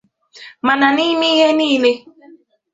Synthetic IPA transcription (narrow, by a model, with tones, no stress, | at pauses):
ma˨na˨ni˦mi˦ɦe˦niː˦le˦